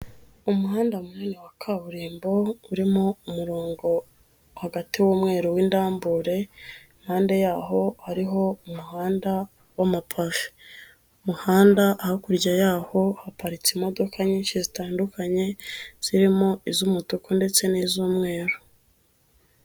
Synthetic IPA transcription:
umuhaːndaumuneːnewakʰaβuɾiːmbo̞uɾimo̞umuɾoːŋɡo̞ | haɡatiwuːmŋe̞ːɾowindaːmbuɾe̞ | mhaːnde̞jaːɦo̞haɾiɦo̞umuhaːnda | wamapʰavi̥ | muhaːndaʔːhakuɾɟajaːho̞hapaɾit͡simo̞do̞kʰaɲiːnʃizitaːndukaɲe̞z̥iɾimo̞izumutukonde̞t͡se̞nizuːmŋe̞ːɾo

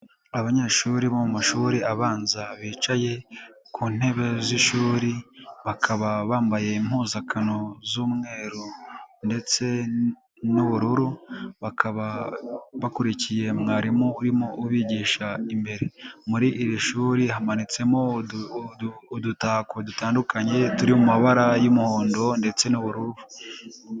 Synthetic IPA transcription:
aβaɲe̞ːʃuːɾiβomumaʃuːɾiaβaːnzaβiːt͡ʃaje̞kʰuːn̥e̞βe̞ziʃuːɾiβakʰaβaβaːmbaje̞im̥huːzakʰano̞zuːmŋe̞ːɾonde̞t͡se̞ | nuβuɾuɾuβakʰaβaβakuɾicije̞mŋaːɾimouɾimouβiːɟiːʃaimbe̞ɾemuɾiʔːɾiʃuːɾihamanit͡se̞mo | dutaːkodutaːndukaɲe̞tuɾimumaβaɾajumuhoːndo̞nde̞t͡se̞nuβuɾuβu

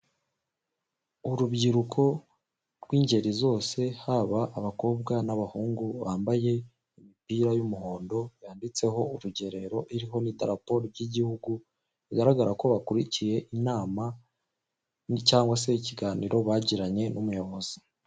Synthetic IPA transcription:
uɾubɟiɾukʰo̞ | ɾɡwiːɲɟe̞ɾizo̞ːse̞haβaʔːβako̞ːb̚ɡanaβahuːŋɡuβaːmbaje̞ | imipiɾajumuho̞ːndo̞jaːndit͡se̞ɦo̞uɾuɟe̞ɾe̞ɾo̞ʔiɾiɦo̞nitaɾapo̞ɾoɟiɟihuɡu | βiɡaɾaɡaɾako̞βakuɾicije̞ʔinaːma | ncaːŋɡwase̞iciɡaːniɾo̞βaːɟiɾaɲe̞numujo̞βo̞z̥i̥

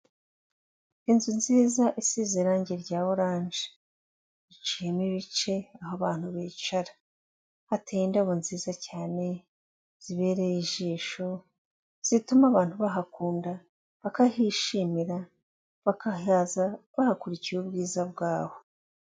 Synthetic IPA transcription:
inzunziːzaʔisiziɾaːɲɟeɾɟaːβoɾaːɲʒe̥ | it͡ʃiemiβit͡ʃe̞aɦaβaːn̥huβeːt͡ʃaɾa | hatʰendaβonziːzacaːne̞ | z̥iβe̞ːɾeiʒiːʃo̞ | z̥itumaβaːnhuβaɦakuːnda | βakahiʃimiɾa | βakaazaβahakuɾicijuːbɡiːzabɡaːβo̞

